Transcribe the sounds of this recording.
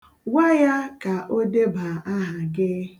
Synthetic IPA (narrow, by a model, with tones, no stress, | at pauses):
wa˦ja˦ka˨ʔo˦de˦ba˨a˦ɦa˨ɡɪ˦